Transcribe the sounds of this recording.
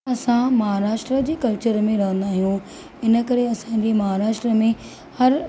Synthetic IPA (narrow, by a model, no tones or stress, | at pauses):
ɐsãmɐɦaːɾaːʃʈɾəd͡ʑeːkɐlt͡ɕəɾmẽɾɐɦə̃nd̪aːɦijũ | ɪnə̆kɐɾeɐsãd͡ʑeːmɐɦaːɾaːʃʈɾəmẽ | hɐɾ